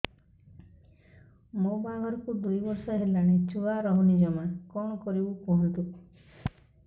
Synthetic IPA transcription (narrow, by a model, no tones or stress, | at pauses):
mobabʱɔɾɔkud̪ujbɔɾsɔɦelaɽ̃et͡ʃuaɾɔɦunid͡ʒɔmakɔɳ̃ɔkɔɾibukɔɦɔnt̪u